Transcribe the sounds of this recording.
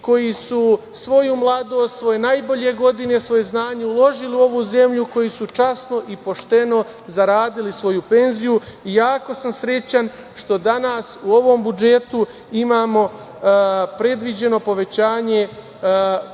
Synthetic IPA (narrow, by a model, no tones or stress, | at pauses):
ko̞jisu | sʋo̞jumlˠad̪o̞ːst̪sʋo̞je̞naːjbo̞ʎe̞ɡo̞d̪ine̞sʋo̞je̞znaːɲe̞ulˠo̞ʒiliuo̞ʋuze̞mʎuko̞jisut͡ʃasno̞ʔipo̞ʃt̪e̞no̞ | zaɾaːd̪ilisʋo̞jupe̞nzijuijaːko̞samsɾe̞t͡ɕan | ʃt̪o̞d̪anaːsuo̞ʋo̞mbud͡ʒe̞t̪u | imaːmo̞ | pɾe̞d̪ʋid͡ʑe̞no̞po̞ʋe̞t͡ɕaːɲe̞